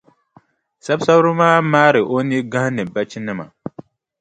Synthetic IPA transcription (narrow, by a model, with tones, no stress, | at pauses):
sa˦bsa˦bɾɨ˦maː˦maː˦ɾɨ˨ʔo˦ni˦ɡã˦hnɨ˨ba˦t͡ʃi˦nɨ˦ma̰˨